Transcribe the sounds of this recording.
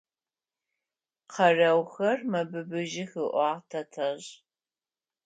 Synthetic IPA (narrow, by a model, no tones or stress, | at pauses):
qʰɐrɐwxɐrmɐbɨbɨʒɪxɨʔʷɑːtʰɐtʰɐʑ